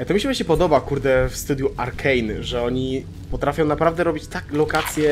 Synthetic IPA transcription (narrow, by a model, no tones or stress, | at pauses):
t̪ɔmʲiɕɛbɕɛpɔd̪ɔbakuɾd̪ɛfst̪ud̪juʔaɾkʰɛjnʐɛɔɲi | pɔt̪ɾafʲjɔ̃w̃napɾavd̪ɛɾɔbʲit͡ɕt̪aklɔkat̪sʲjɛ